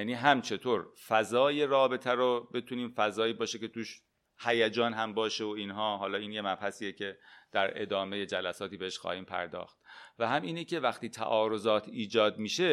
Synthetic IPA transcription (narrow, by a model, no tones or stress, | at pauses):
jæːniːɦæmt͡ʃʰe̞t̪ʰoːɾfæzɒːje̞ɾɒːbe̞t̪ʰæɾobe̞t̪ʰuniːmfæzɒːjiːbɒːʃece̞t̪uːʃ | hæjæd͡ʒɒːnɦæmbɒːʃeoiːnɦɒːɦɒːlɒːiːnje̞mæbhæsiːecʰe̞d̪̥æɾe̞̰d̪ɒːme̞jed͡ʒælæsɒːt̪iːbeeʃxɒ̰ːhiːmpʰæ̰ɾd̪ɒ̰ːxt̪̚væhæmʔiːnicʰe̞væxt̪iːt̪ʰæ̰ʔɒːɾo̞zɒːt̪ʰiːd͡ʒɒːd̪̚miʃe